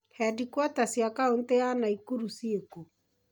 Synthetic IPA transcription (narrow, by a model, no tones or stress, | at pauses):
hɛdikwatasjakaonteanaikuɾusieko